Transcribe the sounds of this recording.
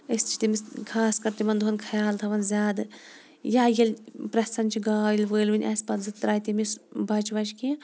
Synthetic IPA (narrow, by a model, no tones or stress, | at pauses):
əst͡ʃʰi̥t̪imiskʰaːskɐɾt̪imɐnd̪uɦɐnkʰɐjaːlt̪ʰɐʋɐnzʲaːd̪ɨ | jaːjɐlʲpɾɐsɐnt͡ʃʰiɡaːjilʲʋəːlʲʋɨnʲʔɐsʲpɐt̪zɨt̪ɾaːjt̪imisbɐt͡ʃʋɐt͡ʃki